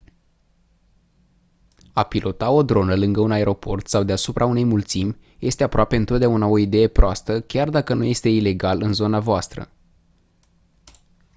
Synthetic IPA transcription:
apilʔo̞t̪ao̞d̪ɾo̞nəlɨŋɡəunae̞ɾo̞po̞rt̪sawd̪easupɾʔaune̞jmult̪simʲ | jʔe̞st̪e̞apɾoape̞ɨnt̪ot̪d̪ʲaunao̞id̪e̞je̞pɾoast̪əkʲard̪akənuje̞st̪e̞ile̞ɡalɨnzo̞navoast̪ɾə̰

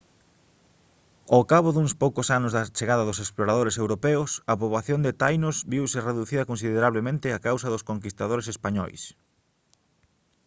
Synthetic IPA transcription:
okaβʊðuŋspowkʊsanʊzðɐt͡ʃeɣaðɐðʊsesploɾaðoɾesewɾopɛʊsɐpoβaθjond̪ɪt̪ajnʊzbiwsɪreðuθiðɐkõns̬iðeɾaβlemẽnt̪ɪakawsɐðʊskoŋk̬ist̪að̞oɾesespaɲɔ̰js

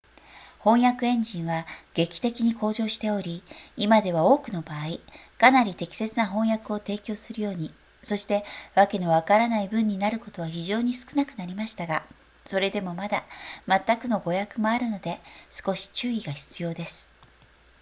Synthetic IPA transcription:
hõ̞ɰ̃jakɯ̟ẽ̞ɲ̟d͡ʑĩɰ̃βaɡ̥e̞kʲi̥t̪e̞kʲiɲ̟ikʰo̞ːʑo̞ːɕi̥t̪e̞o̞ɾʲiimad̪e̞βao̞ːkɯ̟no̞baːi | kanaɾʲit̪e̞kʲi̥se̞t͡sɨnaɦõ̞ɰ̃jakɯ̟o̞t̪e̞ːkʲo̞ːsɨɾɯjo̞ːɲ̟i | so̞ɕi̥t̪e̞βake̞no̞βakaɾanaibɯ̟̃ɲ̟ːinaɾɯ̟ko̞t̪o̞βaçiʑo̞ːɲ̟isɨ̥kɯ̟nakɯ̟naɾʲimaɕi̥t̪aɡa | so̞ɾe̞d̪e̞mo̞mad̪amat̪ːakɯ̟no̞ɡo̞jakɯ̟mo̞aɾɯ̟no̞d̪e̞sɨ̥ko̞ɕi̥t͡ɕɨːiɡaçi̥t͡sɨjo̞ːd̪e̞sɨ̥

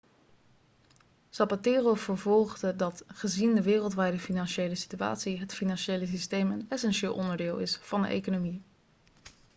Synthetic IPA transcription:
sɑpatɪːrov̥əɹvɔlˠχdədɑtχəzindəʋɪːrəlˠtʋɛjdəfinɑnʃejləsi̥tya̰ːtsiɦətfinɑnʃejləs̬istejmənɛsɛnʃɪːlˠʔɔndəɹdɪːlˠɪ̰sfɑndə̰ʔḛjkonomi

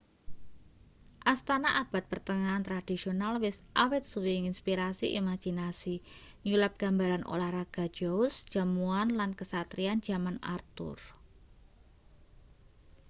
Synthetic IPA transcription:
ʔast̪anaʔab̥at̪̚pərt̪əŋaːnt̪ɾad̥isionalwɪsʔawɪt̪̚suwiŋinspiɾasiʔimad͡ʒinasiɲulap̚ɡ̥a̤mbaɾanʔo̰lahraɡ̥a̤d̥d͡ʒ̥ousd̥d͡ʒ̥a̤muanlankəsat̪ɾiand͡ʒ̥a̤mana̰rt̪ʊ̰r

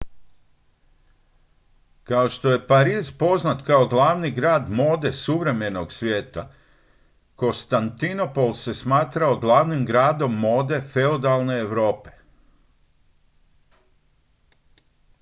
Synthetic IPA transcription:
kao̞ʃt̪o̞je̞paɾiːzpo̞znat̪kao̞ɡlˠaːʋniɡɾaːd̪mo̞ːd̪e̞suʋɾe̞me̞no̞ɡsʋʲjeːt̪a | ko̞nst̪ant̪ino̞po̞lˠse̞smaːt̪ɾaoɡlˠaːʋnimɡɾaːd̪o̞mːo̞ːd̪e̞feod̪alˠne̞ːʋɾo̞ːpe̞̥

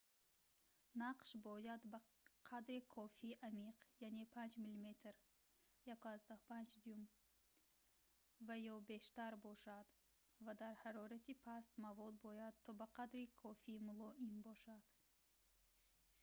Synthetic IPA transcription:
naqʃbɔjad̪ba | qʰad̪ɾikʰɔfiːʔamiqjane̞pʰand͡ʒmilime̞t̪ʰɾ | jakuazd̪ahpʰand͡ʒd̪ujum | vajɔbe̞ʃt̪aɾbɔʃad̪ | vad̪aɾhaɾɔɾat̪ipʰast̪mavɔd̪̚bɔjad̪̚t̪ʰɔbaqad̪ɾikʰɔfimulɔʔimbɔʃad̪̥

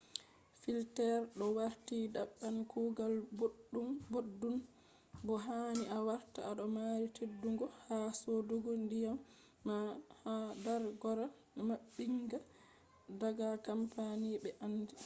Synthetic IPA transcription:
filtɛɾɗɔwaɾtidaɓːankʰuɡalbːumbodːum | bɔɦaːniʔawaɾtaaɗɔmaɾitʰedːuŋɡɔhasoduɡɔndijamː | ahadaɾɡɔɾa | maɓːiŋɡa | daɡakampaniɓɛʔanːdi

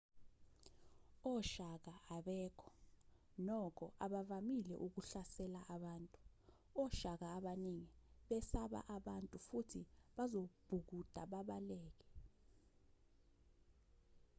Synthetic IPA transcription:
ɔʃak̬aaɓɛːkʰɔ̥ | nɔkʰɔ̰ʔaɓavamilɛ̰ʔuk̬uɬasɛlaʔaɓaːntʼu | ɔʃak̬aːɓaniŋiɓɛsaɓa̰ʔaɓantʼufutʰiɓazob̥ʱuk̬ud̥ʱaɓaɓalɛːk̬ɛ

